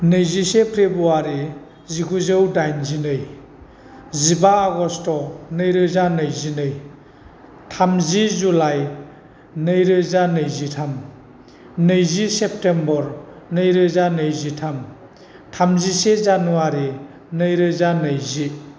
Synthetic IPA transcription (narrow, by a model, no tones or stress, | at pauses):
nɯjzisepʰɾebuaɾi | ziɡuzɯwdajnzinɯj | zibaːɡɔstɔnɯjɾɯzanɯjzinɯj | tʰamzizulaj | nɯjɾɯzanɯjzitʰam | nɯjzisep̚tembɔɾ | nɯjɾɯzanɯjzitʰam | tʰamzisezanuaɾi | nɯjɾɯzanɯjzi